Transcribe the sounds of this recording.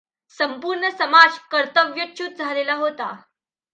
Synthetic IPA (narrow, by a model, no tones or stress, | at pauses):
səmpuɾɳəsəmad͡zkəɾt̪əʋjət͡ɕut̪̚d͡zʱalelaɦot̪a